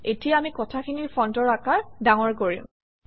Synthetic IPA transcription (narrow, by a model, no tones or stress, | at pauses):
etijaamikɔtʰakʰiniɹpɔntɔɹakaɹdaŋɔɹkoɹiʊ̃